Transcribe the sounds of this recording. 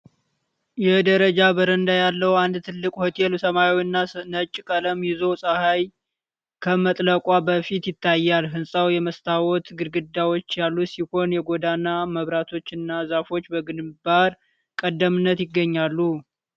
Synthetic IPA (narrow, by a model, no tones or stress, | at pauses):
jɛd̪əɾəd͡ʒabəɾənd̪ajalːəwand̪t̪ʰɨlːɨkʼhot̪ʰelsəmajawiɨnːanət͡ʃʼːɪkʼələmjɪzo̞sʼəhaj | kʰəmət̪ʼləkʼabəfit̪jɪt̪ʰːajːalɦɨnsʼawjɛməst̪ʰawɔt̪ɡɨɾɡɨd̪ːawot͡ʃːjalːusiho̞njɛɡo̞d̪anːaməβɾat̪ʰo̞t͡ʃːɨnːazafo̞t͡ʃːbəɡɨnbaɾ | kʼəd̪ːəmɨnːət̪jɪɡːəɲːalːu